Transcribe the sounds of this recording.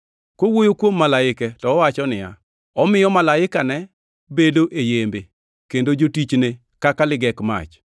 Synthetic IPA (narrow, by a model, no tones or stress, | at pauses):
kowojokwomːalaɪkɛtɔːwat͡ʃɔnɪja̰ | ɔmɪjɔmalaɪkanɛ | bedoʔejembe | kendod͡ʒotit͡ʃne | kakalɪɡɛkma̰t͡ʃ